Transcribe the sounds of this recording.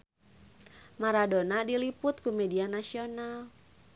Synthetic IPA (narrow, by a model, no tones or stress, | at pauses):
maɾadonadilipʊt̪̚kumedianasional